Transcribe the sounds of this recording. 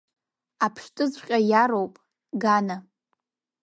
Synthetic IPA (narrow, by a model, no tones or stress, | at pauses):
apʰʂtʼɨzqʲʼajaɾowpʼ | ɡana